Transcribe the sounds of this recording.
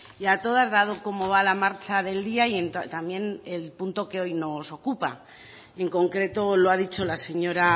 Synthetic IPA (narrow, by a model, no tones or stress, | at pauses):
iat̪o̞ð̞azðað̞o̞ko̞mo̞βalamaɾt͡ʃaðe̞ld̪iaient̪t̪amje̞ne̞lpunt̪o̞ke̞o̞jno̞so̞kupa | e̞ŋko̞ŋkɾe̞t̪o̞loaðit͡ʃo̞lase̞ɲo̞ɾa